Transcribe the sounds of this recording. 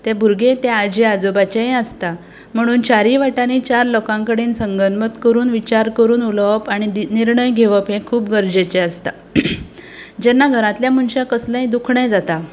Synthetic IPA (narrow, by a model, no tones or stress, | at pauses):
t̪ebʱuɾɡet̪ɛad͡ʑiad͡zobat͡ɕejəst̪a | m̤əɽ̃uːnt͡ɕaɾiʋaʈaniːt͡ɕaɾlokãŋkəɽiːnsəŋɡənmət̪kəɾuːnʋit͡ɕaɾkəɾuːnuləʋpaɽ̃iniɾɳəjɡʱeʋəpɦẽkʰuːpɡəɾd͡ʑet͡ɕeəst̪a | d͡ʑɛnːaɡʱəɾãt̪ljamuɳɕakəslə̃ɦj̃d̪ukʰɳəjd͡zat̪a